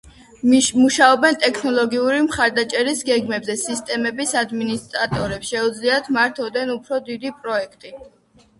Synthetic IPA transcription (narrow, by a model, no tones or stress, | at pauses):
muʃaɔbɛnt̪ʼɛkʰnɔlˠɔɡiuɾimχaɾd̪at͡ʃʼɛɾisɡɛɡmɛbzɛsist̪ʼɛmɛbisad̪minist̪ʼɾat̪ʼɔɾɛpsʃɛud̪zliat̪ʰmaɾt̪ʰɔvd̪ɛnupʰɾɔd̪id̪ipʼɾɔɛkʰt̪ʼi